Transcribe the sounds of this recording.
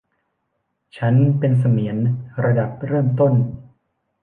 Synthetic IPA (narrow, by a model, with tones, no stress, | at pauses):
t͡ɕʰa˦˥npe˧ns̬a˧mi˩˦ənɾa˧da˨˩p̚ɾɤː˥˩mt̪o˥˩n